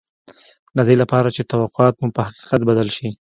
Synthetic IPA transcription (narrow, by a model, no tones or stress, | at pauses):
d̪ad̪elapɑɾat͡ʃet̪awaqʊɑt̪mupəhaqi̥qat̪bad̪əlʃi